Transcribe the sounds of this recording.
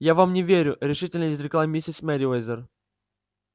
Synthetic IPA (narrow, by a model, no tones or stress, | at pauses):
javamnʲɪvʲeɾʲʊɾʲɪʂɨtʲɪlʲnəɪzɾʲɪklˠamʲisʲɪsʲmʲɛɾʲiojzʲər